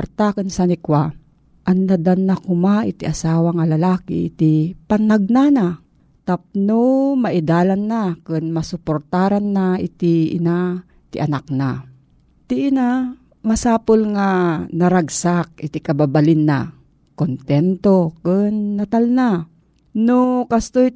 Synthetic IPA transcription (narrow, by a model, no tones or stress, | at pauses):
ɾt̪akɨnsanɪkwa | ʔanːad̪anːakʊmaʔɪt̪ɪʔasaːwaŋalɐlaːkɪ̰ʔɪ̰t̪ɪpanaɡ̚nana | t̪ap̚nomaʔɪd̪aːlanːakɨnmasʊpoɾt̪aːɾanːaɪ̰t̪ɪʔɪ̰na | t̪ɪ̰ʔɐnak̚na | t̪ɪʔɪna | masaːpolŋanɐɾaɡsak̚ɪt̪ɪkɐbabalɪnːa | kont̪ɛnt̪okɨnːat̪alna | nokast̪oj